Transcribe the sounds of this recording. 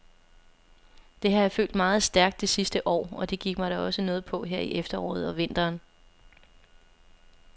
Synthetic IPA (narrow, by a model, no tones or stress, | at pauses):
d̥e̝ɦɑ̈jafø̰ːld̥mɑ̈ːð̞̩ˠsd̥æɐɡ̥̚d̥e̝sisd̥əʔɒ̰ːɒ̽d̥e̝ɡ̥iɡ̥mɑ̈ɪɾ̥æɒ̽sənɔ̽ːð̩ˠpʰɒ̽ɦeɐ̰iʔefd̥ɐɒ̰ːð̞̩ˠɒ̽ʋe̝n̰d̥ɐːn